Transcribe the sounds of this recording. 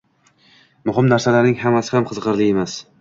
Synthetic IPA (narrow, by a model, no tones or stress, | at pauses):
mʊɦɪmnaɾsalaɾnɪŋhamasɪhamqʰɨzqɨɾlɪemas